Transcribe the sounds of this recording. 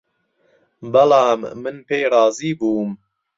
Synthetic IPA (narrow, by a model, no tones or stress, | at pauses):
bɐlɑːmːɨnpeːɾɑːziːbuːm